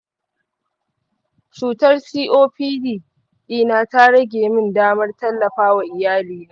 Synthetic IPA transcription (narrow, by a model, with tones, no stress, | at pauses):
t͡ʃuː˨tɐ˦rsiː˦ʔoː˦ɸiː˦diː˦ | ɗɪː˦naː˦ta˦ɽɐ˦ɡʲeː˨mɪ˦ndaː˦mɐ˦rtɐ˦lːɐ˨ɸaː˦wa˨ʔɪ˨jaː˦liː˨na˦